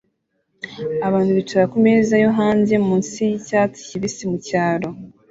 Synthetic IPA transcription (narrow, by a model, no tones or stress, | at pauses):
aβaːntuβit͡ʃoɾakumezajoɦaːnze̞muːnsijicaːt͡si̥ciβisimucaːɾo̞